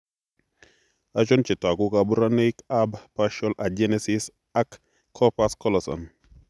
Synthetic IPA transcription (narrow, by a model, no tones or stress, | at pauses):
at͡ʃɔnt͡ʃitakukabuɾanekabpaʃɔlʔad͡ʒenɛsis | akʰː | ɔpaskɔlɔsɔ̰n